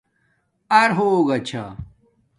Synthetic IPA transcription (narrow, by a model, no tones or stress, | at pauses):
ɐɾɦoɡɐt͡ɕʰa̰